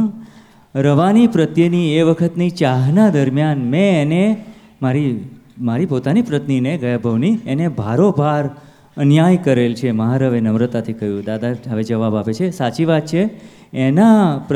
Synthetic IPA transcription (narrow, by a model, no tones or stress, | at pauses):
ɾəʋanipɾət̪jənieʋəkʰət̪nit͡ʃaɦnad̪əɾmjanmɛ̃ːne | maɾi | maɾipot̪anipɾət̪nineɡəjabʱəʋnienebʱaɾobʱaɾ | ənjajkəɾelt͡ʃʰeməɦaɾəʋenəʋɾət̪at̪ʰikəjũd̪ad̪aɦəʋed͡ʒəʋabapet͡ʃʰesat͡ʃiʋat̪̚t͡ʃʰeː | nap